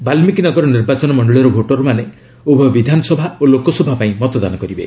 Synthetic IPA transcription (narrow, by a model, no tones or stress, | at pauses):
balmikinɔɡɔɾɔniɾbat͡ʃɔnɔmɔɳɖɔɭiɾɔbʱoʈɔɾɔmane | ubʱɔbid̪ʱanɔsɔbʱaolokɔsɔbʱapaĩmɔt̪ɔd̪anɔkɔɾibḛ